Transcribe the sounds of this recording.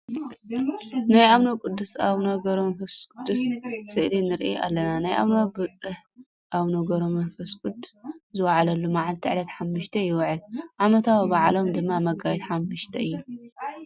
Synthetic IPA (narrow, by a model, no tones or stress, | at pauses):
najʔaβnokʼʊd̪ːusaβnoɡɐɾomɐfɐskʼʊd̪ːussɨʔlinɨɾʔḭʔa̰lːɐnanajʔa̰βnobɨt͡sʼɨh | ʔaβnoɡɐɾomɐnfɐskʼʊd̪u̥szɨwaʕalɐlːumaʕalt̪ʰiʕlɐt̪ħamːɨʃt̪ʰɐjɪwʕɨlʕamɐt̪ʰawibaʕlo̞md̪ɨmːamɐɡajɛt̪ħamːɨʃt̪ʰɐɨjːu